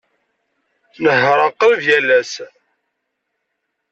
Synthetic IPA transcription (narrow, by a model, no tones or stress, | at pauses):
nəhəɾˤɑqːəlðjælæs